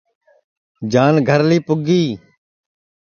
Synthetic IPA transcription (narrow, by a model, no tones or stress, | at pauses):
d͡ʒaːnɡʱəɾliːpʊɡiː